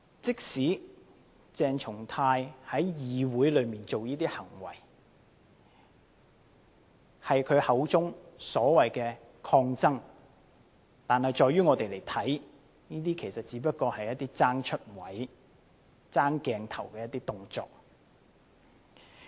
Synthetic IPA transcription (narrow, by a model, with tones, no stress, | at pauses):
t͡sɪ˥k̚siː˨˥ | t͡sɛː˨˧ŋt͡sʰʊ˨˩ŋt̪ʰaː˧jhɐ˨˥jjiː˨˧wuː˨˥jlɵ˨˧miː˨nt͡so˨wjiː˥t̪iː˥hɐ˨˩ŋwɐ̰˨˩j | hɐ˨jkʰɵ˨˧ɥhɐ˨˧wt͡sʊ˥ŋsɔː˨˥wɐ˨jkɛː˧ | kʰɔː˧ŋt͡sɐ˥ŋ | t̪aː˨nhɐ˨jt͡sɔː˨˧jyː˥ŋɔː˨˧t̪e˨jle˨˩jt̪ʰɐ˨˥j | niː˥t̪iː˥kʰe˨˩jsɐ˨t̚t͡siː˨˥p̬ɐ˥t̚kɔː˧hɐ˨jɐ˥t̪̚iː˥t͡saː˥ŋt͡ʃʰɵ˥t̚wɐ˨˥j | t͡saː˥ŋkɛː˧ŋt̪ʰɐ˨˩wkɛː˧jɐ˥t̪iː˥t̪ʊ˨ŋt͡sɔ̰ː˨k̚